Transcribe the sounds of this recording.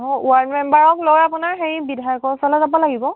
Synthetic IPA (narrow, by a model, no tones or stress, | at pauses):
ɔuwaɹdmɛmbaɹɔklojapunaɹxeɹibidʱajɔkɔɹsɔlɛzabɔlaɡibɔ